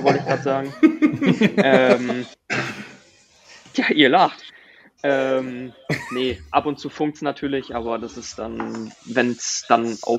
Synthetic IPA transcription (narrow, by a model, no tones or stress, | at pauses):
vɔltɪçɡ̥ʁaːtz̥aːɡŋ̩ | ʔɛm | jaːʔiːɐlaχt | ʔɛːmnəʔapʊntt͡suːfʊŋktsnatʰyːɐlɪçʔaːbɐdasɪstd̥anvɛnsd̥anʔa̰ʊ